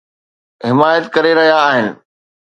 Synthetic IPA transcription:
ɦɪmaːjət̪kɐɾeɾɐɦijaːɦɪnɪ̆

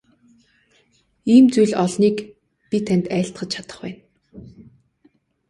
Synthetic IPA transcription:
iːmt͡sujɮɔɮniːk | pʲit̪ʰænʲt̪æːɬt̪ɢə̆t͡ɕt͡ɕʰat̪ə̆χpæːn

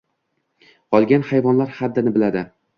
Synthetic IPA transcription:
qɒlˠɡʲanhajvɒnlaɾhad̪ːɪnɪbɪlad̪ɪ

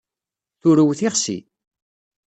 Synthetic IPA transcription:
θʊɾəwθiʁsḭ

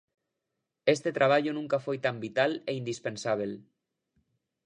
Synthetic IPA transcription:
est̪et̪ɾaβ̞aʎunũŋkafojt̪ambit̪aleind̪ispensaβ̞el

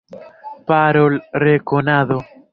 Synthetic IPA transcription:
paɾolrekonaðo

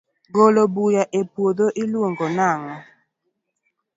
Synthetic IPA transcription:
ɡolobujaʔepwod̪oʔilwoŋɡɔnaŋɔ

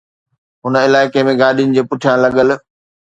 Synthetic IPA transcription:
ɦʊnəɪlaːɪkemẽɡaːɗiʊnɪ̆d͡ʑeːpʊʈʰijãlɐɠəl̆

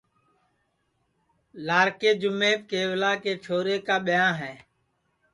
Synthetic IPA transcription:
laːɾkeːd͡ʒʊmeːp̚keːʋlaːkeːt͡ʃʰoːɾeːkaːɓɪjãːɦɛ̃ː

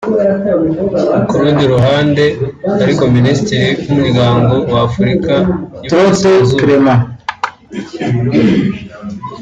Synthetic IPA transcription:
kuɾuːndiɾuɦaːnde̞aɾiko̞ministiɾiwumuɾɡaːŋɡo̞waːfuɾikaitɾotezukɾema

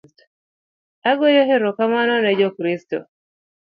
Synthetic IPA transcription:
t | aɡɔjɔɦeɾɔkamanɔnɛd͡ʒɔkɾistɔ̰

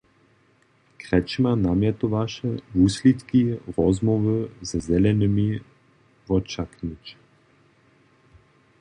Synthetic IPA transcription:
kɾɛt͡ʃimanamjɛt̪ovaʃɛvuslʲit̪kiɾɔzmɔvəzazɛlɛnəmi | vɔt͡ʃaknit͡ʃ

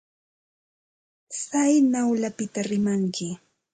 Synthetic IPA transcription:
sajnawlapɪt̪aɾɪmaŋkɪ

